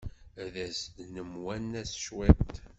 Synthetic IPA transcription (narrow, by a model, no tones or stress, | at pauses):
ðæsd̪nəmwænæsʃwæt̪